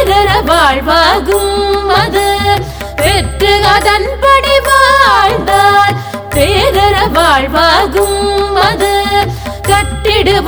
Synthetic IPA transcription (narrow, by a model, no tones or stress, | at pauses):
ɾɐɾɐʋaːɭɻʋaːɣɯmɐðɯ | ɛʈrɯɐðɐnpɐɽiʋaːɻd̪aːɾ | t̪eːɾɐɾɐʋaːɻʋaːɣɯmɐðɯ | kɐʈːɪɽɯʋ